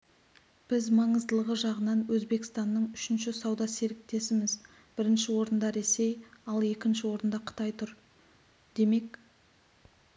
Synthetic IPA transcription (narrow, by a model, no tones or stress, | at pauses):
b̥ɪzmɑɴəzd̪əlˠəʁəʒɑʁənɑnwɵzbe̞kʲɪ̥st̪ɑnːəɴʏʃɪnʃɪsɑwd̪ɑseɾɪk̚t̪e̞sɪmɪz | b̥ɪɾɪnʃɪwo̞ɾənd̪ɑɾe̞se̞jɑlˠe̞kʲɪnʃɪwo̞ɾənd̪ɑqʰʊ̥t̪ɑjt̪ʰʊɾ | d̪̥e̞me̞k